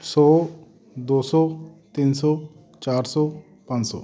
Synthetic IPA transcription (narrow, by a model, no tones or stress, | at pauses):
sɔː | d̪oːsɔːt̪insɔ | t͡ʃaːɾsɔ | pãnsɔ̰ː